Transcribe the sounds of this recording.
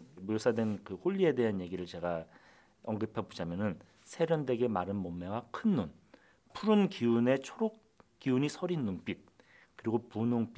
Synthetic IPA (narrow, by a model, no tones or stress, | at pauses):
muɭs͈ʰadwe̞nkɯhoʎːie̞de̞ɦanje̞ɡiɾɯɭt͡ɕe̞ɡa | ʌŋɡɯpʰebud͡ʑamjʌnɯn | sʰe̞ɾjʌnde̞ɡe̞maɾɯnmomːewakʰɯnːon | pʰuɾunkiune̞t͡ɕʰoɾok | k͈iuɲisʰʌɾinːoŋp͈it̚ | kɯɾiɡopunoŋp͈i